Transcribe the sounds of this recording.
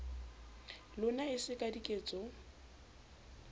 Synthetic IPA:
lʊnaɪsɪkʼadikʼeːt͡sʼɔ

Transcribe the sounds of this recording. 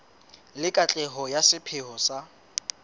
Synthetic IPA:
lɪkʼat͡ɬʼɛɦɔjasɪpʰɪhɔsa

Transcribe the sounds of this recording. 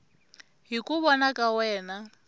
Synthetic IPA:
ɦikʼuβɔnakʼawɛːna

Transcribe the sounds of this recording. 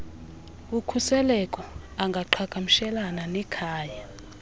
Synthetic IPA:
ukʰusɛlɛkʼɔaŋɡʱaǃʰakʼamiʃɛlananɛkʰaːja

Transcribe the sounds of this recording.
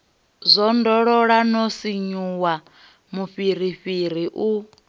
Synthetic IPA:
zʷɔndɔɺɔɺanɔsiɲuwa | muɸiɾ̤iɸiɾ̤iʔu

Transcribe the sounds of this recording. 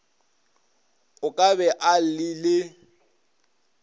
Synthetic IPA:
ʊkʼabɛʔal̩lɪlɪ

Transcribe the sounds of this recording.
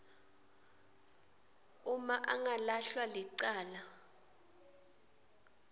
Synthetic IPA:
umaʔaŋalaɬwaliǀaːla

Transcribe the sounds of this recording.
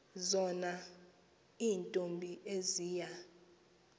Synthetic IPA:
zɔna | iːntʼombʱiʔeziːja

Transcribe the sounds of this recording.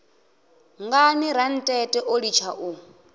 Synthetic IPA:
ŋɡaniɾan̩tʼɛtʼɛʔoɺit͡ʃʰaʔu

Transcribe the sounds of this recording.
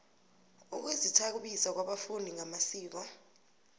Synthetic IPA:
uk̬wezitʰak̬uɓisak̬waɓafundʱiŋamasiːɓa

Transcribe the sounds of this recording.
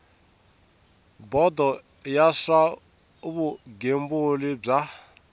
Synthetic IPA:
bɔd̪ʱɔ | jaswa | uβuɡembulib͡ʐa

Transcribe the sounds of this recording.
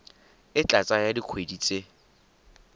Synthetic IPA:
ɪt͡ɬʼat͡sʼajadiq͡χʰwediːt͡sʼe

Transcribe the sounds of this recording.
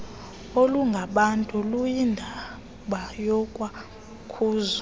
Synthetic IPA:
oluŋɡʱaɓantʼulujindʱa | ɓajɔkʼwa | kʰuːzɔ

